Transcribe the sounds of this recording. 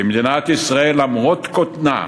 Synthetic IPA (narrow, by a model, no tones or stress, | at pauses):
imd̪inat̪isʁaelamʁot̪kot̪na̰